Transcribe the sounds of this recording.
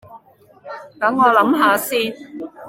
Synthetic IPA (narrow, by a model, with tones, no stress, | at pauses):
kɐ˨˥mŋɔː˨˧lɐ˨˥mɦaː˨˧siː˥